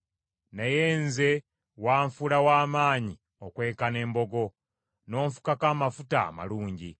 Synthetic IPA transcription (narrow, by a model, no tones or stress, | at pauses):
nejeːnze̞ | waːɱfulawaːmaːɲi | okwe̞ːkane̞ːmbo̞ɡo̞ | no̞ːɱfu̥kakaːmafuta̰ːma̰luːɲɟi